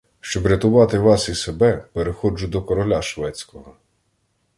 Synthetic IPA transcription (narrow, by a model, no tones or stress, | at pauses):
ʃt͡ʃɔbɾʲɐt̪ʊʋɑt̪ɪʋɑsisebɛpeɾexɔd͡ʒʊd̪ɔkɔɾɔlʲaʃʋɛt͡sʲkɔɦɔ